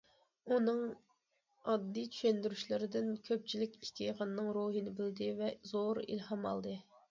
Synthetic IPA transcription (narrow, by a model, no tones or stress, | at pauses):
unɨŋ | ɑd̪ːijt͡ʃʰy̥ʃɛnd̪yɾyʃlɪɾɪd̪ɪnkʲʰøp̚t͡ʃʰilɪkʲi̥kʲʰijʁɑnːɨŋɾoɦinɪbɪld̪ɪvɛzoɾḭlhɑmɑ̰lˠd̪ɨ